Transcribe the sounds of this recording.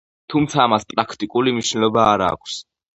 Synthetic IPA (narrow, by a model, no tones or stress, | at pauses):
t̪ʰumt̪sʰaːmaspʼɾakʰt̪ʼikʼulimniʃnɛlɔbaːɾa̰ːkʷʰs